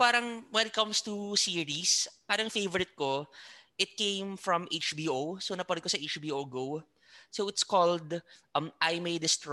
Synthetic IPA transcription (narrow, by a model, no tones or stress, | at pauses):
paːɾɐŋwɛnɪt̪̚kɐ̃mst̪usiːɹispaːɾɐŋfejvɔɾɪt̪̚koʔɪt̪̚kẽjmfɹɐ̃mʔejt͡ʃbiːʔowsonɐpɐɾɛd̪̚kosɐʔejt͡ʃbiːʔowɡow | sowɪt̪skɔld̪mʔajmejd̪ɪst̪ɹ